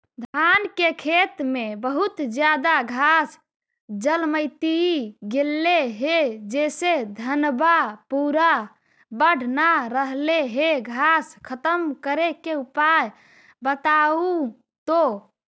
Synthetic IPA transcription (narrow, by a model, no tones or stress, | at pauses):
d̪ʱankekʰet̪mebəɦut̪d͡ʒjad̪aɡʱas | d͡ʒəlməɪt̪iɡelːeɦed͡ʒesed̪ʱənbapuɾa | bəɽ̤ʱnaɾəɦleɦeɡʱaskʰət̪əmkəɾekeupaj | bət̪au | t̪o